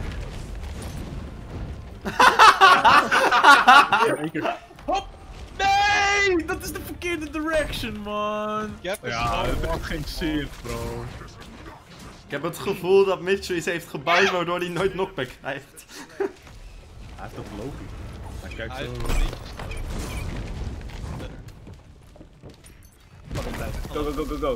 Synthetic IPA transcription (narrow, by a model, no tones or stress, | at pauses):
k | nejdɑtɪzdəfəkɪːɹdədəɹɛkʃənmɑnnjaətɛftχejnsɪno | ɪ̥kɦɛpətχəvulˠdɑtmɪt͡ʃɹisɦejftχəbajtʋaːɹdoːɹinojtnɔk̚bɛkɛjft | ɛɛftɔfəlowpiɛjkɛjkso | oɡoɡoɡoɡo